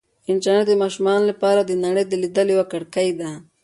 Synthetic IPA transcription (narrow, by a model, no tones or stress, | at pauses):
ɪnt͡ʃaned̪əmɑːʃumɑːnlapɑːɾad̪ənaɽejd̪əlid̪əliwakaɽkajd̪a